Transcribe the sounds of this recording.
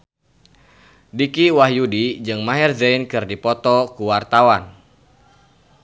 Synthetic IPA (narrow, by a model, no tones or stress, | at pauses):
dikiwahjudid͡ʒɨŋmaɦɛrzɛinkɨrdipɔt̪ɔkuwart̪awan